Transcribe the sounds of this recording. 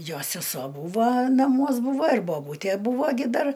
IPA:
ˈjoː sʲɛˈsoː ˈbuːʋɐ nɐˈmuɔs ˈbuːʋɐ ɪr boːˈbuːtʲæ ˈbuːʋoː ˈɡʲɪ ˈdɐr

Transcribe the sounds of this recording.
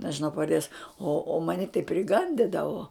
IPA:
nʲɛʒʲɪˈnɐʊ pɐʋɐrʲˈdʲeːs oː oː ˈmɑːnʲɪ tɐɪ pʲrʲɪˈɡɐnʲdʲɪdɐʋoː

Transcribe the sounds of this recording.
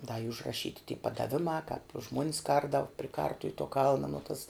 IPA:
dɐ iː ʊʒrɐˈʃʲiːtʲɪ tʲiː pɐdɐˈʋʲɪmɑː kɑːp ˈʒmuɔnʲɪs ˈkɐrdɐʋʊ pʲrʲɪ ˈkɐrtʊw toː ˈkɐlˠnɐ noː tɐs

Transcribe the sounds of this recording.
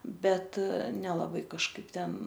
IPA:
ˈbʲɛt nʲɛlˠɐˈbɐɪ kɐʃˈkɐɪp ˈtʲɛn

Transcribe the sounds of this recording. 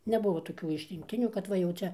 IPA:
nʲɛˈbʊʋoː toːˈkʲuː ɪʃʲrʲɪŋkˈtʲɪnʲuː kɐt ˈʋɐ jɛʊ ˈt͡ʃʲɛ

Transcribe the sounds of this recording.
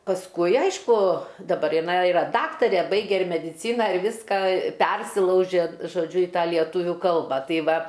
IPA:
pɐsˈkʊɪ ˈɐɪʃkʊ dɐˈbɐr ɪˈnɐɪ ɪˈrɐ ˈdɑːktɐrʲeː ˈbɐɪɡʲɛ ɪr mʲɛdʲɪˈt͡sʲiːnɐ ɪr ˈʋʲiːskɐ ˈpʲɛrʲsʲɪlˠɐʊʒʲeː ʒoːˈd͡ʒʲʊ ɪ ˈtɑː lʲiɛˈtʊʋʲuː ˈkɐlˠbɐ ˈtɐɪ ˈʋɐ

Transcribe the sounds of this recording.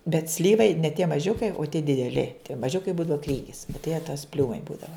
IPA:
bʲɛt ˈsʲlʲiːʋɐɪ nʲɛ tʲiɛ mɐˈʒʲʊkɐɪ oː tʲiɛ dʲɪdʲɛˈlʲɪ tʲiɛ mɐˈʒʲʊkɐɪ ˈbuːdɐʋɐ ˈkrʲiːɡʲɪs oː tɐɪ jiɛ tɐs ˈpʲlʲuːmɐɪ ˈbuːdɐʋɐ

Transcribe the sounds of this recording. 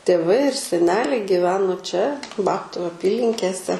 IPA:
tʲeːˈʋɐɪ ɪr sʲɛˈnʲæːlʲɛɪ ɡʲɪˈʋʲæːnoː t͡ʃʲɛ ˈbɑːptʊ ɐˈpʲiːlʲɪŋʲkʲeːsʲɛ

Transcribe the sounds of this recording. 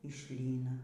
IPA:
ɪ ˈʃʲlʲiːnɐ

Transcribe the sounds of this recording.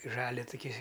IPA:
ɪ ˈʒɑːlʲɛ tʊˈkʲiː

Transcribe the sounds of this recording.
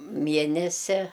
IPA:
ˈmʲiɛnʲɛsʲɛ

